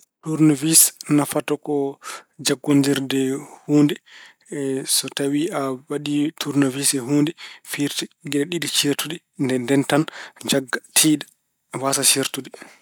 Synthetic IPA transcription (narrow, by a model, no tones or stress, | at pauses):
tuɾnovisnafatɔkɔd͡ʒaɡːondiɾdɛhuːndɛ | sɔtawiʔawaɗitʰuɾnovisɛɦuːndɛfiɾtiɡɛɗɛɗiɗit͡ʃiɾtuɗɛ | ndɛndɛntand͡ʒaɡːatʰiːɗḁ | wasat͡ʃiɾtuɗɛ